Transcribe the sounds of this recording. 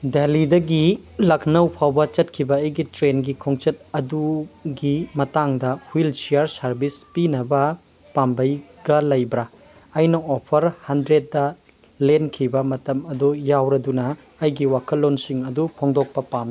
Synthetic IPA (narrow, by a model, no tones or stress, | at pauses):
delidɐɡilɐkʰnɐwpʰawbɐt͡ʃɐt̚kʰibɐːjɡitɾenɡikʰoŋt͡ʃɐt̚ɐduɡimɐtaŋdɐhwilsijaɾsɐɾbispinɐbɐ | pambɐjɡɐlɐjbɾɐː | jnɐopʰɐɾhɐndɾet̚dɐ | lenkʰibɐmɐtɐmɐdujawɾɐdunɐː | jɡiwakʰɐlːonsiŋɐdupʰoŋdok̚pɐpam